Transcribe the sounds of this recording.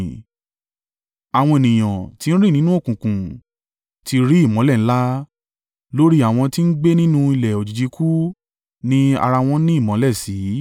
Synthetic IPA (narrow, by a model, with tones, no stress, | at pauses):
a˨w̃ɔ̃˧e˨nĩ˨j̃ã˨ti˨˦ñ̩˦ɾi˦˨nĩ˦nũ˦o˦˨kũ˨kũ˨ | ti˧ɾi˦i˦˨mɔ̃˨˦lɛ˦˨n̩˦la˦ | lo˦ɾi˦a˦˨w̃ɔ̃˧ti˦n̩˦ɡ͡be˦nĩ˦nũ˦i˧lɛ˨o˨d͡ʒi˨d͡ʒi˨˧˦kʰu˦ | nĩ˦a̰˧ɾa˧w̃ɔ̃˦nĩ˦i˦˨mɔ̃˨˦lɛ˦˨si˨˦